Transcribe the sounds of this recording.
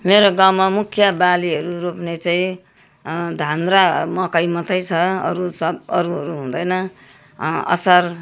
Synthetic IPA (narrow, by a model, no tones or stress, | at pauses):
meɾoɡawmamukʰjʌbaliɦʌɾuɾopnet͡saĩ | d̪ʱanɾamʌkʌjmʌt̪ʌjt͡sʰʌʌ̰ɾusʌʌɾuɦʌɾuɦũd̪ʌjnʌ | ʌ̰sʌr